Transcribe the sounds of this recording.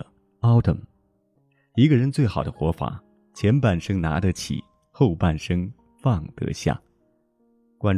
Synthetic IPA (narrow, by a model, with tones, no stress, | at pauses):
ɑ˥ʊt̪ʰə̰˨˩m | i˧˥ɡə˧ɻə˧˥nt͡swe˥˩ɪxɑ˨˩ʊd̪ə˦xwɔ˧˥fa̰˨˩˦ | t͡ɕʰjɛ˧˥npa˨˩nʂɤ˥ŋna̰˧˥d̪ə˧˦t͡ɕʰḭ˨˩˦ | xo˥˧ʊpa˥˩nʂɤ˥ŋ | fɑ˥˩ŋt̪ɤ̰˧˥ɕja̰˥˩ | kwa˥n